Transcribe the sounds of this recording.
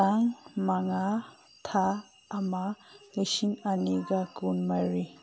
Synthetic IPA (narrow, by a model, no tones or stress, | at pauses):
aŋmaŋa | tʰaː | mausiŋaniɡakunmaɾi